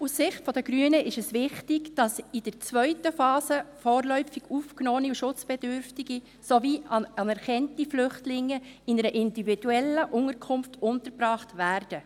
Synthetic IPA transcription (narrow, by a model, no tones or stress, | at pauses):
ussɪχtfɔdəɡɾyənəʔɪʃɛsʋɪχtɪɡd̥ɑsid̥əɾt͡svœʏtəfɑːsəfɔːrlœʏfiɡ̥uːfknoːniuʃʊt͡sb̥ɛdʏɾftiɡi | soviːɑɑnɛɾχɛntiflʏχtlɪŋːəɪnəɾəʔɪndivid̥uɛlːəʔʊŋəɾkʰʊmftʊntəɾbrɑːχtvæːɾd̥ə